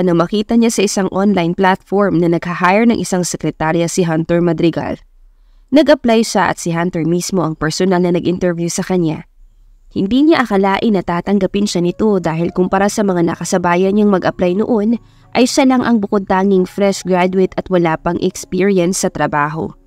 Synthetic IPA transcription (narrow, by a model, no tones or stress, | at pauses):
ʔɐnomɐkiːt̪ɐɲasɐʔɪsaŋʔonlajnplat̪foɹmnɐnɐɡ̥̚hɐhajɐɹnɐŋʔɪsaŋsɛkɾɛt̪aɾjɐsɪɦant̪ɛɹmɐd̪ɾɪɡa̰l | nɐɡʔɐplajʃɐʔɐ̰t̪sɪɦant̪ɛɹmismo̞ʔɐŋpɛɹsonɐlnɐnɐɡʔɪnt̪ɛɹvjusɐkɐɲa | hɪnd̪iɲaʔɐkɐlaːʔɪnɐt̪aːt̪ɐŋɡɐpɪnʃɐnɪt̪o̞d̪aːɦɪlkʊmpɐɾasɐmɐŋanɐ̰kɐsɐbaːjɐnɲɐŋmɐɡʔɐplajnoʔo̞n | ʔɐjʃɐlɐŋʔɐŋbʊkod̪̚t̪aːŋɪŋfɾɛʃɡɾad̪uwɪt̪ɐt̪wɐlaːpɐŋʔɛkspiːɹiɐnsːɐt̪ɾɐbaːɦo̞̰